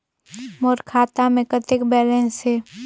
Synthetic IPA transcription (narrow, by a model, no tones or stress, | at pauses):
moːɾkʰaːt̪amẽkət̪ɪkbɛːlɛ̃se